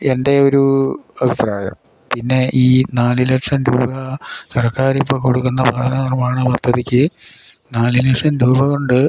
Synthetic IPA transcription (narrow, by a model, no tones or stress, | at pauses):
ende̞o̞ɾuɐbʱipraːjɐ̰m | pinːe̞ʔiːnaːlilekʂɐnɾuːbʱɐsɐrɐkːaːɾipːoːkoɽukːunːɐbʱɐd̪ʰʱɐnɐnirmaːɳɐbɐt̪ːɐðikʲːɨ | naːlilekʂɐnɾuːbʱɐɣoɳɖɨ